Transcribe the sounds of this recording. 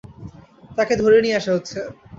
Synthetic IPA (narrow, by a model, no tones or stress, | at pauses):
t̪aked̪ʱoɾenijeaʃaɦotːɕʰe